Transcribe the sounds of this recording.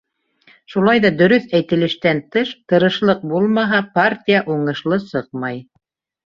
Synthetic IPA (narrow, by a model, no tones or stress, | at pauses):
ʃulˠɑjðɑd̪ɵ̆ɾɵθæjt̪ɘ̆lɘ̆ʃt̪ænt̪ɤʃt̪ɤ̆ɾɤ̆ʃlˠɤq̚bulˠmɑɦɑpartʲijaʔuɴɤ̆ʃlˠɤsɤq̚mɑj